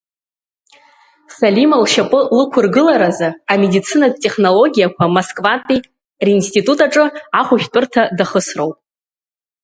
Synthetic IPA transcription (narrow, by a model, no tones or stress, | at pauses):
salimalʃapʼɨlɨkʷʰʊrɡɨlaɾazaːme̞dit͡sʰɨnatʼe̞χno̞lo̞ɡʲijakʷʰamoskʼvantʼi | rinstʼitʼutʼaʈ͡ʂʼɨaχʷʊχʲtʼʊrtʰadaχəsro̞wpʼ